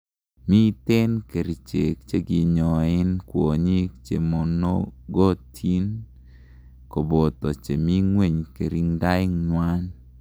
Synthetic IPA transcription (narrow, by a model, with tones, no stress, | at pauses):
mi˦t̪e˦nke˨ɾi˨t͡ʃe˨k̚t͡ʃe˦ɡɪ˨ɲɔ˨ɪ˦nkwo˨ɲi˦kt͡ʃe˨mo˨no˦ɡo˦tʰi˦n | ko˨bo˨t̪ɔ˨t͡ʃe˨mi˦ŋwe˦˨ɲke˨ɾi˦ŋɡa˦ɪ˦ŋɲwa˦n